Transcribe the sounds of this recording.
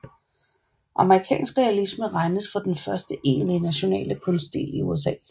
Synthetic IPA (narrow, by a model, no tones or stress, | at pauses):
ʔɑ̈məʁikʰɛ̰ːnsɡ̥ʁɛælisməʁɑ̈ɪnəsfʁɑ̈d̥enfɶɐsd̥əʔe̝̰ːnlinæɕo̝nɛ̰ːləkʰɔ̽nsdd̥e̝̰ːliṵes̬ɛ̰ː